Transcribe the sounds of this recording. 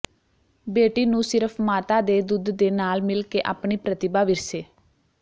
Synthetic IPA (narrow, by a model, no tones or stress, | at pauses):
beːʈiːnũːsɪɾəpʰmaːt̪aːd̪eːd̪ʊd̪ːeːnaːlmɪlkeːʔa̰ːpɳiːpɾət̪ɪbaːʋɪɾseː